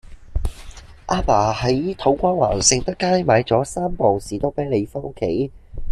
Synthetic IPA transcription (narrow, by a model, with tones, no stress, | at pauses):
ʔaː˧˥paː˨˩hɐ˨˥jt̪ʰo˨˥wkʷaː˥waː˨˩nsɪ˧ŋt̪ɐ˥kːaː˥jmaː˨˧jt͡sɔː˨˥saː˥mpɔː˨wsiː˨t̪o˥pɛː˨˥le˨˧jfɔ˥kʰe˨˥j